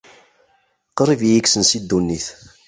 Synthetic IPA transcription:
qɾˤivjiksənsid̪ːunːiθ

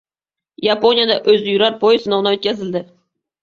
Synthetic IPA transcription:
japo̞nijad̪aʔɵzɪjʊɾaɾpʰojɪsɪnɒwnaɵt̪kʲʰazɪld̪ɪ

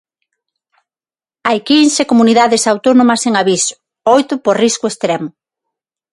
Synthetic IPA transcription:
ajkinsekomuniðaðesawt̪onõmɐseŋaβisʊ̥ | ojt̪ʊporiskʊest̪ɾɛmʊ

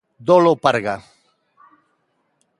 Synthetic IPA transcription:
d̪olopaɾɣa

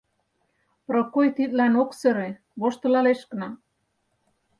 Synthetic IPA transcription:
pɾŏkojt̪it̪̚lænoksɘ̆ɾĕ | βoʃt̪ɤ̆lɑleʃkə̆nɑ

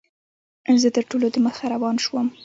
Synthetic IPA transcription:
zət̪əɾʈolod̪əməxaɾawɑnʃwəm

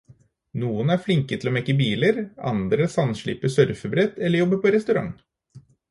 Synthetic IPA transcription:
nuːənæɾflɪŋkət̪ʰɪlomɛkːəbiːləɾɑ̰nd̪ɾəsɑnʂɭḭːpəsœɾfəbɾɛt̪ːɛlːəɾjɔbːəpʰɔɾɛst̪ʉɾɑ̰ŋ

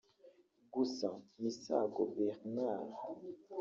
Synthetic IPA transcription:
ɡusãmisa̰ɡovɛʁnaʁ

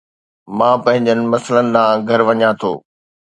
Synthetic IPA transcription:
mãːpɐ̃ɦɪ̃ɲd͡ʑənɪ̆mɐsələnɪ̆d̪ãːɡʱɐɾʋɐɲãt̪ʰo̰ː

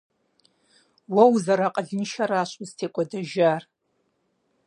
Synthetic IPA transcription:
wawzaɾaqʼaɮɨnʃaɾaʃʷʼuztʰekʷʼadaʒar

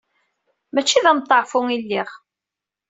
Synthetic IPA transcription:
mæt͡ʃːiðæmt̪ˤːɑʕfʊŋilːiʁ

